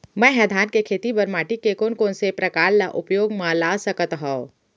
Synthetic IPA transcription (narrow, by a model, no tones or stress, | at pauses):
mɛ̃ːɦɛd̪ʱaːnkekʰeːt̪ibɐɾmaːʈikekoːnkõːnsepɾɐkaːɾlaʔʊpjoːɡmãlaːsəkət̪ɦõː